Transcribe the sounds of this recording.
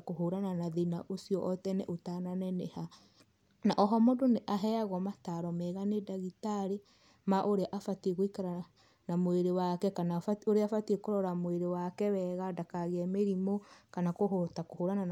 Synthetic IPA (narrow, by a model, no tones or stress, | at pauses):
koɦoɾananaðenaʔosiɔʔɔtɛnɛ̰ʔotananɛnɛha | naʔɔɦɔmondoneʔaɦɛaɣɔmataɾɔmɛɣanedaɣitaɾe | maʔoɾeʔafatieɣoikaɾa | namweɾewakɛkanafaoɾeafatiekoɾɔɾamoeɾewakɛwɛːɣadakaɣeɛmeɾimokanakoɦotakohoːɾanan